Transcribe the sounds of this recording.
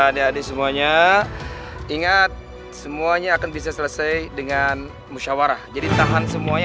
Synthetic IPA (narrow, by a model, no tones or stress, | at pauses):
adaadasəmuaɲa | iŋat̪̚ | səmuaɲaːkanbis̬asələsajdəŋan | muʃawaɾahd͡ʒadit̪aɦansəmuaɲ